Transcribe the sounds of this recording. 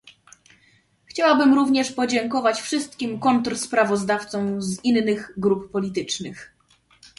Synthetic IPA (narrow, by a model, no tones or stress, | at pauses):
xt͡ɕawabɘmɾuvɲɛʂpɔd͡ʑɛŋkɔvat͡ɕfʂɘst̪̚kʲimkɔnt̪ɾspɾavɔzd̪aft̪sɔ̃w̃zinːɘɣɡɾuppɔlʲit̪ɘt͡ʂnɘx